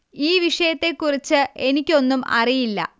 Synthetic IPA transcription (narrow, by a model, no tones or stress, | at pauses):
iːʋiʂɐjɐt̪ːe̞kːurit͡ɕːɨʔe̞nikʲːo̞nːumɐ̰rijilːɐ̰